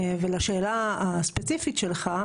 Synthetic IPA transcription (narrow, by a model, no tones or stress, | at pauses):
velaʃeːlaaspet͡sifitʃelχa